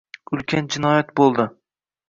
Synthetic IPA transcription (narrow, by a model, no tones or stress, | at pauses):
ʊlˠkʲʰand͡ʒɪnɒjat̪̚bolˠd̪ɪ